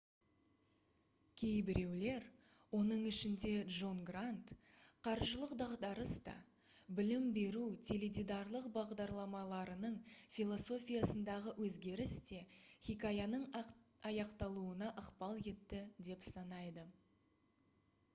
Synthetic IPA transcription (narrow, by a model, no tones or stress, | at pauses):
kʲʰe̞jbɪɾe̞wle̞ɾ | wo̞nəɴɪʃɪnd̪e̞ʒo̞nɡrant̪ | qʰɑɾʒəlˠəqd̪ɑʁd̪ɑɾəst̪ɑ̰ | bɪlɪmbe̞ɾut̪ʲʰeled̪ʲijd̪ɑɾlˠəqbɑʁd̪ɑɾlˠɑmɑlˠɑɾənəɴfʲilˠo̞so̞fʲijasənd̪ɑʁəwʔɵzɡʲe̞ɾɪst̪e̞χʲikajanəɴɑjɑqt̪ɑlˠuənɑʔəqpɑlˠje̞t̪ːɪd̪e̞psɑnɑjd̪ə